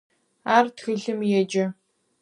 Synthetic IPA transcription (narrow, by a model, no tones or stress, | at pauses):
aːrtʰxɨɮɨmjɛd͡ʒɐ